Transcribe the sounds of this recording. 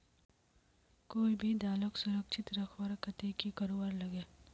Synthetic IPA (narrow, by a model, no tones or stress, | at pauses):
koːibʱid̪aːləksʊɾəkʃʰɪt̪ɾɐkʰwəɾkɐt̪ekikɐɾoːwaːɾlɐɡeː